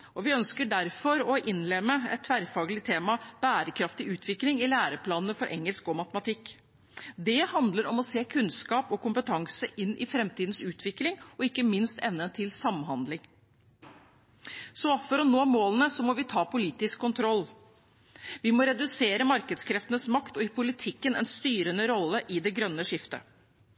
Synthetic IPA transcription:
ʔɔʋɪœnskəɖæɾfɔɾɔʔɪnːlɛmːəɛ̰t̪ʰːʋæɾfɑːɡlɪt̪ʰeːmɑb̥æːɾəkʰɾɑft̪ɪʔʉːt̪ʰʋɪklɪŋɪlæːɾəpʰlɑːnənəfɔɾʔɛ̰ŋːəlskɔmɑt̪əmɑt̪ʰɪkː | d̪ɛhɑnd̪ləɾɔmɔseːkʰʉnskɑːpɔkʊmpət̪ʰɑŋsəʔɪnːʔɪfɾɛmt̪ʰiːd̪n̩sʉːt̪ʰʋɪklɪŋɔɪkːəmɪnst̪ɛʋnənt̪ʰɪlsɑmɦɑnd̪lɪŋ | sɔfɔɾɔnoːmoːlənəsɔmɔʋɪt̪ʰɑːpʊliːt̪ɪskʰːʊnt̪ʰɾɔlː | ʋɪmɔɾɛd̪ʉseːɾəmɑɾkəd̪skʰɾɛft̪ənəsmɑkt̪ɔɪpʰʊlɪt̪ʰɪkːənɛ̰nst̪yːɾənəɾɔlːəʔɪd̪ɛɡɾœnːəʂɪft̪ə̰

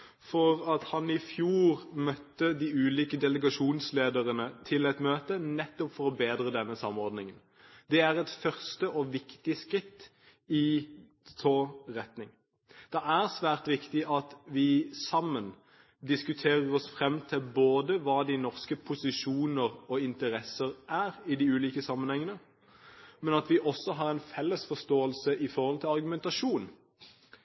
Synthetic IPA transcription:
fɔʁɑt̪hɑnɪfjuːʁmœt̪ːəd̪iːʉːliːkəd̪ɛləɡɑʃuːnsleːd̪əʁənət̪ʰɪlɛt̪møːt̪ənɛt̪ːɔpfɔʁɔbeːd̪ʁəd̪ɛnːəsɑmːɔɾd̪nɪŋən | d̪ɛæʁɛt̪fœʁst̪əʔɔʋɪkt̪ɪskʁɪt̪ː | ɪ | t̪ʰoːʁɛt̪nɪŋ | d̪̥ɛæʁsʋæːʁt̪ʋɪkt̪ɪʔɑt̪ʋɪsɑmːən | d̪ɪskʉt̪ʰeːʁəʁɔsfʁɛmt̪ʰɪlboːd̪əʋɑːd̪ɪnɔʁskəpʰʊsɪʃuːnəʁɔɪnt̪əʁɛsəʁʔæːʁɪd̪ɪʉːliːkəsɑmːənhɛŋːənə | mɛnɑt̪ʋɪʔɔsːɔɦɑʁɛɪnfɛlːəsfɔst̪oːəlsəʔɪfɔʁhɔlt̪ʰɪlɑʁɡʉmɛnt̪ɑʂuːn

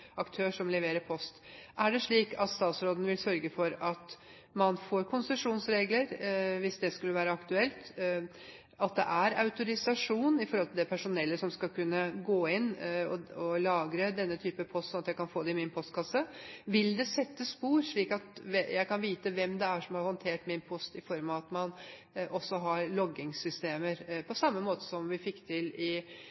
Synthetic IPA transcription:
ɑkt̪ʰøːʂɔmlɛʋeːɾəpʰɔst̪ʔæɖɛʂɭiːkʰɑt̪st̪ɑːt̪sɾoːd̪ənəʋɪlsœɾɡəfɔɾɑt̪ | mɑnfoːɾkʰʊnsəʂuːnsɾeːɡləɾʋɪsd̪ɛskʉlːəʋæːɾəɑkt̪ʉɛlt̪ | ɑt̪̚d̪ɛ̰ʔæɾɑʉt̪ʊɾɪsɑʂuːnɪfɔɾhɔlt̪ʰɪld̪ɛpʰæʂʊnɛlːəʂɔmskɑlkʉnːəɡoːɪnɔ̰ɔlɑːɡɾəd̪ɛnːət̪ʰyːpəpʰɔst̪sɔnɑt̪jæɪkɑnfoːd̪ɛɪmɪnpʰɔst̪kʰɑsːəʋɪld̪ɛsɛt̪ːəspuːɾʂɭiːkɑt̪ɛjæɪkɑnʋiːt̪əʋɛmd̪ɛæʂɔmhɑɾhɔnt̪ʰeːʈmɪnpʰɔst̪ɪfɔɾmɑʋɑt̪mɑn | ʔɔsːɔɦɑɾɭɔɡɪŋsʏst̪eːməɾpʰɔsɑmːəmoːt̪ə̥sɔmʋɪfɪkːt̪ʰɪlɪ

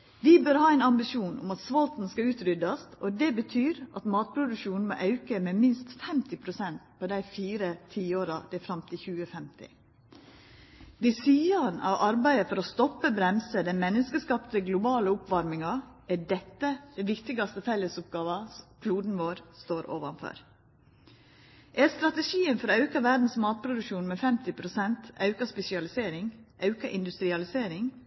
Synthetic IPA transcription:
ʋɪbœɾhɑːɛɪnɑmbɪʃuːnʊ̰mɑt̪sʋɑlt̪n̩skɑʉːt̪ɾʏd̪ɑst̪ʔɔd̪ɛbət̪ʰyːɾʔɑt̪mɑːt̪̚pʰɾʊd̪ʉkʃuːnn̩mo̰ʔɑʉkəmɛmɪnst̪fɛmt̪ɪpʰɾʊsɛnt̪pʰɔd̪æɪfiːɾət̪ʰiːoːɾɑd̪̥ɛfɾɑmt̪ʰɪlçʉːəfɛmt̪ʰɪ̰ | d̪ɪsyːɑnʔɑ̰ʋɑɾbæɪəfɔɾɔst̪ɔpːəbɾɛmsəd̪æmɛnːəskəskɑːpt̪əɡlʊbɑːləʊpʋɑɾmɪŋɑ | æɖɛt̪ːəd̪̥ɛʋɪkt̪ɪɡɑst̪əfɛləsʊp̚ɡɑːʋɑkʰluːd̪n̩ʋoːɾst̪oːɾʔo̰ːʋɑnfɔ̰ɾ | ʔæst̪ɾɑt̪əʃiːənfɔɾoːɑʉkɑʋæɖ̪n̩smɑːt̪̚pʰɾʊd̪ʉkʃuːnmɛːfɛmt̪ɪpʰɾʊsɛnt̪ɑʉkɑspɛsɪɑlɪseːɾɪŋʔɑʉkɑʔɪnd̪ʉst̪ɾɪɑlɪseːɾɪŋ

